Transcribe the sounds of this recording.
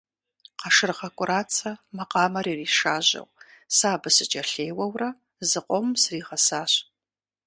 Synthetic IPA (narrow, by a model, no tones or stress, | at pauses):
qɐʂɨrʁɐkʷʼʊɾaːt͡sʰɐmɐqʼɑːmɐɾiːriːʂaːʑɐ̰wsaːbɨsɨt͡ʃʼɐɬeːjwɐwrɐ | zɨqʷʼɔmsriːʁɐsaːɕ